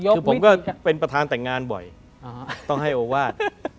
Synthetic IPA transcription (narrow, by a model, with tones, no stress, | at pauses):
kɯː˧pʰo˩˦mkɔː˥˩pe˧npɾa˧t̪ʰaː˧nt̪ɛ˨˩ŋːaː˧nbɔ̰˨˩j | t̪ɔ˥˩ŋɦa˥˩jʔoː˧waː˥˩t̪̚